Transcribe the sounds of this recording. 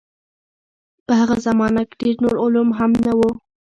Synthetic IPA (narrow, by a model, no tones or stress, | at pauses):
pəhaɣazamɑnake̥ɖeɾnoɾʊlumɦamnawu